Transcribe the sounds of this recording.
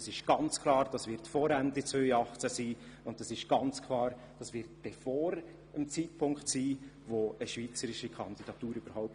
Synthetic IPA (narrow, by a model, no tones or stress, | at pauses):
sɪʃɡ̥ɑnt͡skʰlɑːɾd̥ɑsvɪɾtfɔɾændit͡svøʏɑχt͡sæsiː | ʊndəsɪʃɡ̥ɑnt͡skʰlɑːɾ | d̥ɑsvɪɾtb̥ɛfɔːɾ | əmt͡siːtpʰʊŋkχtsiː | ʋoəʃviːt͡səɾɪʃikʰɑnd̥̪id̥ɑt̪uːɾyb̥əɾhɔʊp̚